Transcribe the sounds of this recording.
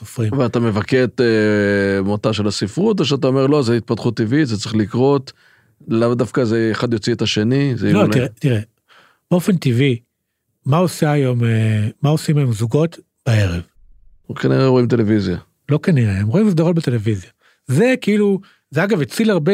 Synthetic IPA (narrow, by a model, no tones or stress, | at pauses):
sofʁimveatamevaket̪e | motaʃelasifʁut̪̬oʃat̪aomeʁlo̞zeit̪̚pat̪χut̪ːivitzet͡sʁeχlikʁo̞t̪ | lavd̪afkazeːχad̪jot͡siet̪aʃenizelotiʁet̪iʁe | b̥eo̞fe̞nt̪ivi | mao̞saajo̞memao̞simajomzuɡo̞t | b̥ae̞ʁev | kaniʁeʁo̞imt̪e̞levizja | lo̞kaniʁeemʁoimis̬d̪aʁot̚bete̞levizja | ze̞kiilu | zeaɡavet͡silaʁbe